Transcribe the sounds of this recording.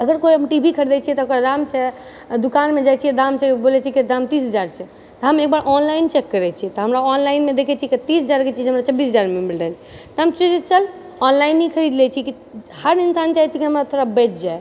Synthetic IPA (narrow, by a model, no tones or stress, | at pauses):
əɡəɾkoiɦəmʈibʱikʰəɾd̪ɛt͡ʃʰiɛt̪ɔokɾad̪amt͡ʃʰɛ | d̪ukanmed͡ʒajt͡ʃʰiɛd̪amt͡ʃʰɛbolɛt͡ʃʰikid̪amt̪isɦəd͡ʒaɾt͡ʃʰɛ | t̪ɔɦəmek̚baɾʔɔnlaint͡ʃɛkːəɾɛt͡ʃʰit̪ɔɦəmɾaɔnlainmed̪ekʰɛt͡ʃʰiɛkt̪isəd͡ʒaɾket͡ʃʰid͡ʒɦəmɾat͡ʃəbːisd͡ʒaɾmebilɖəl | t̪ɔɦəmt͡ʃid͡ʒet͡ʃəl | ɔnlainːikʰəɾid̪lɛt͡ʃʰiki | həɾinsant͡ʃaɦɛt͡ʃʰikiɦəmɾat̪ʰoɾabɛt͡ʃ̚ʰd͡ʒae